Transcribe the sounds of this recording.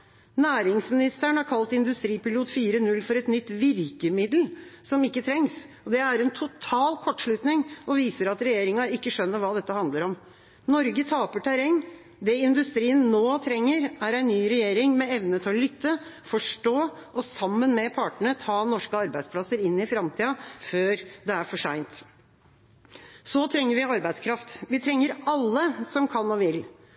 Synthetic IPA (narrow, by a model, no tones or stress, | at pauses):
næːɾɪŋsmɪnɪst̪əɳhɑɾkʰɑlt̪ɪnd̪ʉst̪ɾiːpɪluːd̪fiːɾənʉlːfɔɾɛt̪nʏt̪ːʋɪɾkəmɪd̪lsɔmɪkːət̪ʰɾɛŋs | ɔd̪ɛæɾɛnt̪ʰʊt̪ʰɑːlkʰɔʈːʂɭʉt̪nɪŋʔɔʋiːsəɾɑt̪ɾɛjeːɾɪŋɑɪkːəʂœnːəɾʋɑːd̪ɛt̪ːəhɑnd̪ləɾɔm | nɔɾɡət̪ʰɑːpəʈʰæɾɛŋ | d̪ɛɪnd̪ʉst̪ɾiːənːoːt̪ʰɾɛŋːəɾæɾæɪnnyːɾɛjeːɾɪŋmɛɛʋnət̪ʰɪɔlʏt̪ːə | fɔʂʈoːʔɔsɑmːənmɛpʰɑːʈəɳət̪ʰɑːnɔʂkəɑɾbæɪspʰlɑsəɾɪnːɪfɾɑmt̪ʰiːɑføːɾd̪ɛæɾfɔʂæɪnt̪ | sɔt̪ʰɾɛŋːəɾʋɪɑɾbæɪd̪skʰɾɑft̪ʋɪt̪ʰɾɛŋːəɾɑlːəsɔmkʰɑnːɔʋɪl